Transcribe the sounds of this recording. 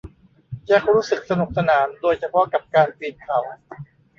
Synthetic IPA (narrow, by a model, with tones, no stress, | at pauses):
jɛː˥˩k̚ɾuː˦˥sɯ˨˩k̚sa˧nu˨˩k̚sa˧naː˩˦mdoː˧jt͡ɕʰa˧pʰɔ˦˥ka˨˩p̚kaː˧nt̪iː˨˩m̚kʰa˨˩˦w